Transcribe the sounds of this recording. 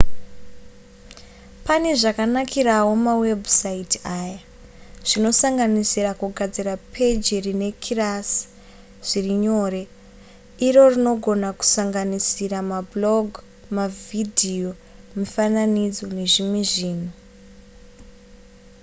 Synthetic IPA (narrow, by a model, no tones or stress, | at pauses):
pane̞ʐakanakiɾawo̞mawe̞bʱusaitiaːja | ʐ̥ino̞saŋɡanisirakuɡʱad͡zirapʰe̞d͡ʒirine̞kʰiras | ʐ̥iriɲo̞ːɾe̞ | iro̞rino̞ɡʱo̞naku̥saŋɡanisiɾamablo̞ɡʱ | mavidʱio̞ | mufananid͡zo̞ne̞ʐimweʐiːnu